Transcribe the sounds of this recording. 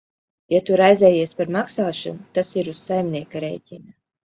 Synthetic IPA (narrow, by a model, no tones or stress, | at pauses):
jat̪uɾajzʲɛːjiɛspaɾmaksaːʃunut̪asiɾussajmʲniɛkaɾɛ̰jtʲina